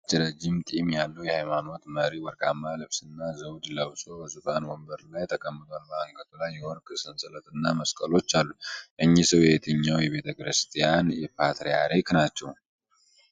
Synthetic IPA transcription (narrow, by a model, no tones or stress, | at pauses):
t͡ʃʼːɛɾəd͡ʒɪmt̪ʼimjalːəwjɛhajmano̞t̪məɾiwəɾkʼamːalɨβsɨnːazəwd̪ləβso̞bəzɨtanwɔmbəɾlajt̪ʰəkʼəmːɨt̪ʼonmaaŋkʰʼət̪ʰulajːɛwɔɾkʼɨsɨnsɨlət̪ʼɨnːaməskʼəlo̞t͡ʃːalːuʔɨɲːisəwjɛɛt̪ʰɨɲːawjɛβe̞t̪ʰəkʼɨɾɨst̪ʼijanjɛpʰat̪ɾeja̰ɾeknat͡ʃːɛw